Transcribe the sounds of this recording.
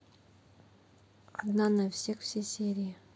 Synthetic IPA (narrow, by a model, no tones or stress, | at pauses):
ad̪nanafsʲexfsʲesʲeɾʲijɪ